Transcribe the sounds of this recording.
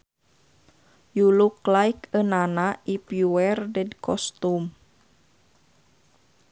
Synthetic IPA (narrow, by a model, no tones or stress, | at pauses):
juluklaikənanaʔipjuwɛrdɛdkʰɔst̪um